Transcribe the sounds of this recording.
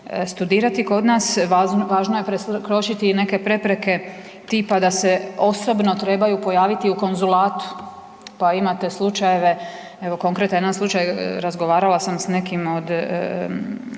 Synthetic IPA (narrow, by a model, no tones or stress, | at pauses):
st̪ud̪iːɾat̪iko̞d̪nasaʋaːʒnoje̞pɾeskɾo̞ʃit̪ine̞ke̞pɾe̞pɾe̞ke̞ | t̪ipad̪ase̞o̞so̞bno̞t̪ɾe̞bajupo̞jaːʋit̪iuko̞nzulaːt̪u̥ | paimat̪e̞slˠut͡ʃajeʋe | e̞ʋo̞ko̞ŋkɾet̪ojed̪anslˠut͡ʃajɾazɡo̞ʋaːɾalasamsne̞kimo̞d̪